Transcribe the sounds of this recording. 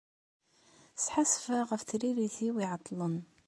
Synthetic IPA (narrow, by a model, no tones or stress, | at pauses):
sħasfaɣæft̪ɾiɾiθiwiʕɑt̪ˤːlən